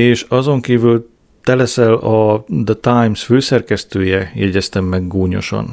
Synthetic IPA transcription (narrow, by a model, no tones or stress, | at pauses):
eːʃɒzo̞ŋkiːvyl | t̪ɛlɛsɛlɒd̪ɛt̪ajmsføːsɛrkɛst̪øːjɛjɛɟɛst̪ɛmːɛɡːoːɲo̞̰ʃo̰n